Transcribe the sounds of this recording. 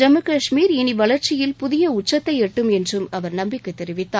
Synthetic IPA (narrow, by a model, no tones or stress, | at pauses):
d͡ʒɐmɯkɐʂmiːɾɪniʋɐlɐɾt͡ʃɪjɪlpʊðɪjɐʊt͡ʃːɐt̪ːɐɪɛʈːɯmɛndrɯmɐʋɐɾnɐmbɪkːɯt̪ːɛɾɪʋɪt̪ːaː